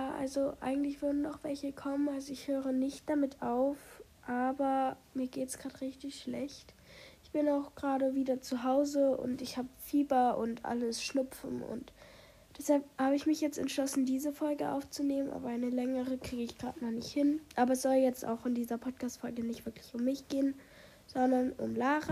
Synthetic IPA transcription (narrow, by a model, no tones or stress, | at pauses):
jaːʔa̰lzoʔa̰ɪɡŋ̩tlɪçv̥ʏɐdn̩daʊxv̥ɛlçəkʰɔmənalzoɪçhøːʁənɪçt̚d̥amɪtʰaʊfʔaːbɐmiːɐɡeːtsɡ̥ʁaːtʁɪçtɪçʃlɛçt | ʔɪçb̥ɪnaʊxɡ̥ʁaːɾəviːdɐt͡suɦaʊzəʊ̰ntɪçhaːbəfiːbɐʔʊ̰ntʔa̰ləsʃnʊpp͡fn̩ʊ̰nt | d̥ɛshalphaːbəɪçmɪçjɛt͡stɛ̰ntʃlɔsn̩diːzəfɔlɡəʔa̰ʊft͡suneːmənʔa̰ːbɐaɪnəlɛŋəʁəkʁ̥iːɡəɪçɡ̥ʁa̰ːtmaχnɪçthɪnʔaːbɐɛsz̥ɔljɛt͡sta̰ʊxɪndiːzɐpʰɔt̚kʰaːstfɔlɡənɪçtv̥ɪɐkʰlɪçʊmːɪçɡ̥eːən | z̥ɔndɐnʊ̰mlaːʁə